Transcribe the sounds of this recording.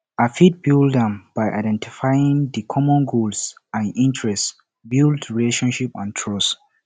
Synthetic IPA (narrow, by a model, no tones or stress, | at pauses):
afit̚bildãmbajʔa̰jdɛ̃ntifajĩŋdikʰɔmɔ̃nɡolsãnĩntɹɛst | bildɹileʃɔ̃nʃipã̰ntʰɹɔs